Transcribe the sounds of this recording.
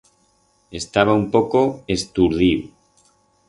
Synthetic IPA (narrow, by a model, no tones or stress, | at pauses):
est̪aβaumpokoest̪uɾðiw